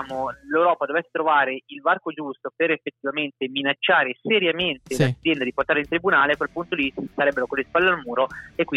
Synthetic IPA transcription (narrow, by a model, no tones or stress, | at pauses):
molewɾɔːpad̪ovɛsːe̥t̪ɾovaːɾeilvarkod͡ʒust̪opeɾefːet̪ːivament̪eminat͡ʃːaːɾeseɾjament̪elad̪z̥ʲjɛnd̪ad̪iport̪aːɾeint̪ɾibunaːleakːwelpunt̪od̪iisaɾɛbːeɾokonlːespalːealmuːɾoekːwi